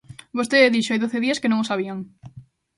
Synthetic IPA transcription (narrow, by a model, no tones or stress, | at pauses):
bost̪eðiʃoajðoθeðiaskenõŋosaβiaŋ